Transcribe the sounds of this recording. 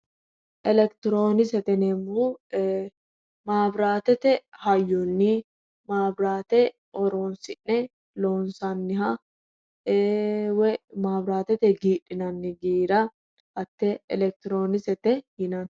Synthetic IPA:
ʔɛlɛkt̪ɪɾoːnɪsɛt̪ɛnɛmːo | maːbɾaːt̪ɛt̪ɛhɐjːɔnːi | maːbɾaːt̪ɛ | ʔɔɾoːnsɪʔːɛ | loːnsanːɪɦɐ | wɛmaːbɾaːt̪ɛt̪ɛɡiːᶑɪnɐnːɪɡiːɾɐ | ʔɐt̪ːɛɛlɛk̚t̪ɪɾoːnɪsɛt̪ɛhɪnan

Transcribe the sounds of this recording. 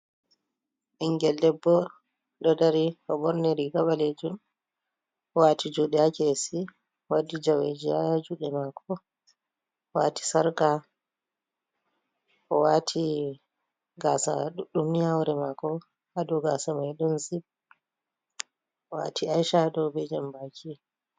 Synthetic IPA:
ʔiŋɡɛldɛbːɔ | ɗɔdaɾiʔɔbɔɾnɛɾiɡaɓaled͡ʒum | ɔwatid͡ʒuɗɛakesi | wadːid͡ʒawḛd͡ʒia̰jad͡ʒuɗɛmakʰɔ | waːti̥saɾka | ʔɔwaːtʰi | ɡasaɗuɗumniawɾɛmakɔ | adɔɡaːsamajɗunsib̚ | ɔwa̰tiajʃaɗɔbɛd͡ʒambakʰi

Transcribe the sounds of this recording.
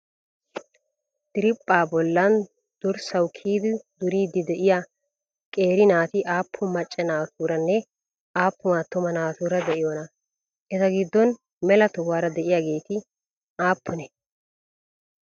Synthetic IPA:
t̪ɪɾɪpʼːaːbɔlːɐn | d̪̥ʊɾsɐwkʰiːd̪ɪd̪ʊɾiːd̪ɪd̪ɛʔɪja | kʼe̞ːɾɪnaːt̪ɪʔaːpʰːʊmɐt͡ʃʼːɛnaːt̪uːɾɐnːɛ | ʔaːpːʊmat̪ːʊmɐnaːt̪uːɾɐd̪ɛʔɪjɔnɐ | ʔɛt̪ɐɡɪd̪ːɔn | mɛlɐt̪ʊwaːɾɐd̪ɛʔɪjaːɡe̞ːt̪ɪ | ʔaːpʰːʊnɛ

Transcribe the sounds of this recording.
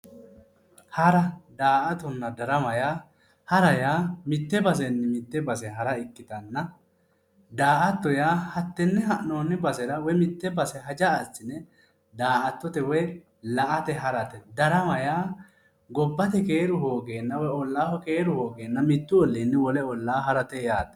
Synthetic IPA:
hɐɾɐd̪aːʔɐt̪ɔnːɐd̪ɐɾɐmɐjaː | hɐɾɐjaːmɪt̪ːɛbɐs̬ɛnːɛmɪt̪ːɛbɐsɛɦɐɾɐɪkːɪt̪ɐnːɐ | d̪aːʔɐt̪ːɔjaːhɐt̪ːɛnːɛɦɐʔnoːnːɛbɐsɛɾɐwɛmɪt̪ːɛbɐsɛɦɐd͡ʒɐːt͡sːɪnːɛ | d̪aːʔɐt̪ːɔt̪ɛwɔj | lɐʔɐt̪ɛɦɐɾɐt̪ɛd̪ɐɾɐmɐjaː | ɡɔbːɐt̪ɛke̞ːɾʊɦoːɡeːnːɐwɛɔlːaːhɔkeːɾʊho̞ːɡeːnːɐmɪt̪ːʊɔlːiːnːɛwɔlɛɔlːaːɦɐɾɐt̪ɛjaːd̪ɐ

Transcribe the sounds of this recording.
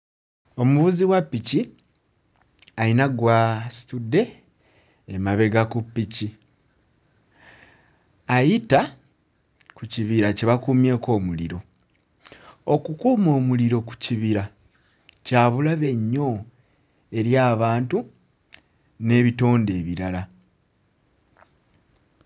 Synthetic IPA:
o̞muβuziwapːici | ainaɡwasi̥tudːe̞ː | maβe̞ɡakupːici | ajita | kuciβiɾaceβakuːmje̞ːko̞ːmuliɾo̞ | okukuːmo̞ːmuliɾo̞ku̥ciβiɾa | caːβulaβe̞ɲːo̞ | e̞ɾjaːβaːntu | ne̞ːβito̞ːnde̞ːβiɾala

